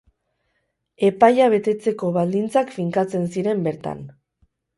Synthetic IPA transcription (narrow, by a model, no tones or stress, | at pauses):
e̞pajaβ̞e̞t̪e̞t͡se̞ko̞βald̪int͡sakfiŋkat͡se̞nsiɾe̞mbe̞ɾt̪a̰n